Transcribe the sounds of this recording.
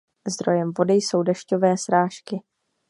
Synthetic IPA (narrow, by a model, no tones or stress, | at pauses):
zd̪ɾo̞jɛmvo̞dɪjso̞wdɛʃco̞vɛːsɾaːʃkɪ